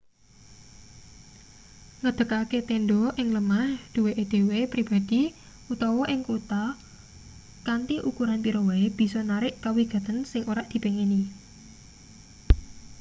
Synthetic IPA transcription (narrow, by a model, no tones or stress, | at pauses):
ŋəd̪̥ə̤kaket̪enɖɔʔɪŋləmahd̪̥uweʔed̪̥e̤wepɾib̥a̤d̪̥i̤ | ut̪ɔwɔʔɪŋkut̪a | kant̪iʔukuɾanpiɾowaeb̥i̤sɔnaɾɪʔkawiɡ̥a̤t̪ənsɪŋʔoɾaʔd̪̥i̤peŋeni